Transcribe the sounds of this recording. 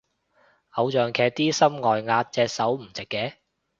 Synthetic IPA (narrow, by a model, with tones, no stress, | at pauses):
ʔɐ˨˧wt͡ʃœː˨ŋkʰɛː˨˧k̚t̪iː˥sɐ˥mŋɔː˨jŋaː˧t̚t͡sɛː˧k̚sɐ˨˥wm̩˨˩t͡sɪ˨kːɛː˨˧